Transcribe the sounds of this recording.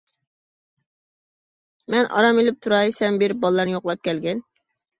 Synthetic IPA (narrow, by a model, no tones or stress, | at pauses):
mɛnʔɑ̰ɾɑmelyp̚t̪ʰuɾɑjsɛmbɪɾbɑlˠːɑɾnɨjoqlˠɑp̚kʲʰɛlɡʲɛn